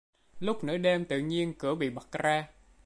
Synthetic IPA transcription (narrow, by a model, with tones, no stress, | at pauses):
lʊ˦˥k͡p̚nɨ̰˧˥əɗɛ˧mt̪ɨ̰˧˨ɲi˧ənkɨ˧˩əɓḭ˧˨ɓə˨˩k̚zaː˧